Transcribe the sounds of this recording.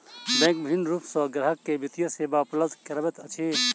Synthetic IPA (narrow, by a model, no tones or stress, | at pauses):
bẽːŋk̚mɦinɾupsoːɡɾɐɦəkːebit̪jəseːbaːpɐləd̪kɐɾɐbət̪ɐt͡ʃʰeː